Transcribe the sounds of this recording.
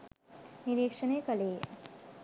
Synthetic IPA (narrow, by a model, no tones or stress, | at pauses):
niɾikʂənekʌleː